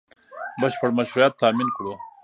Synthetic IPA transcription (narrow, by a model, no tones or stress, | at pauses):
bɐɕpɐɽmɐʃuɾjat̪ːaːminkɽo